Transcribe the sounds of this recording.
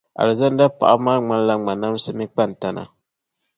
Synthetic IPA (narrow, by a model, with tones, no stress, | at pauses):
ʔa̰˨lɨ˨za˦n˦da˦pa˨ʔa̰˦maː˦ŋ͡ma˦n˦la˦ŋ͡ma˨na˦m˦sɨ˦mi˦k͡pa˦˨n˨ta˦na̰˨